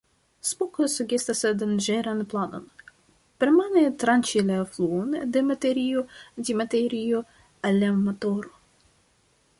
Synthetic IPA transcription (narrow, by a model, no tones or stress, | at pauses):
spukosuɡest̪asad̪and͡ʒeɾanplano̞̰n | peɾmanet̪ɾant͡ʃilafluond̪emat̪eɾiotimateɾio | alːamotoɾo